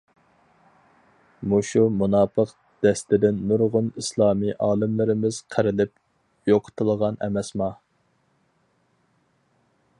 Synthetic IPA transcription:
muʃumunɑːpʰəq | d̪̥ɛst̪ɪd̪ɪnːuɾʁʊnislˠɑːmiʔɑːlˠɪmlɪɾɪmɪz̥qʰəɾɪlɪp̚ | joqʰʊ̥t̪ʰɨlˠəʁɑnɛ̰mɛsmɑ

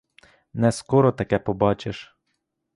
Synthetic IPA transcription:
nɛskɔɾɔt̪ɐkɛpɔbɑt͡ʃeʃ

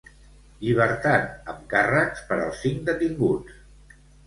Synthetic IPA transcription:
ʎiβ̞əɾt̪at̪əmkəraspəɾə̰lˠsiŋd̪ət̪iŋɡut͡s

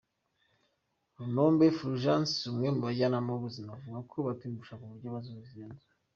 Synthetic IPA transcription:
ɾunoːmbefɾuʒansumwemuβaɟanamauβuzimavuɡakʰoβatibuʃakuβuɾɟoβazuuzeːnza

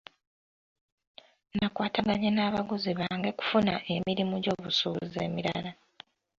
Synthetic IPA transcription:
nakwaːtaɡaɲenaːβaɡuziβaːŋɡe̞ku̥funaʔe̞miɾimuɟo̞ːβusuze̞̰ːmiɾa̰la

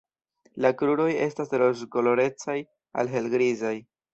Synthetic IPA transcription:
lakɾuɾo̞je̞stasɾosɡolo̞ɾe̞t͡saj | a̰lɦe̞lɡɾizaj

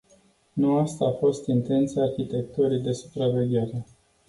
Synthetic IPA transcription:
nuast̪aːfo̞st̪int̪e̞nt̪siaːrçit̪e̞k̚t̪uɾijd̪e̞su̥pɾave̞ɡʲe̞ɾe̞

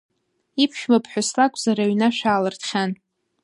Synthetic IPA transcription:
ipʰʃᶣmapʰħʷᶣʊslakʷʼzaɾaɥnaʃᶣaːlɨrtʰχʲan

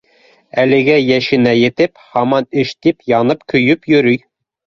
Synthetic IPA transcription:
ælɘ̆ɡæjæʃɘ̆næjɘ̆t̪ɘphɑmɑnɘʃt̪ipjɑnɤpkɵ̆jɵpjɵ̆ɾɵj

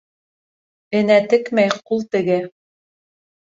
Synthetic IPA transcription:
ɘ̆næt̪ɘ̆kmæjqulˠt̪ɘ̆ɡɘ

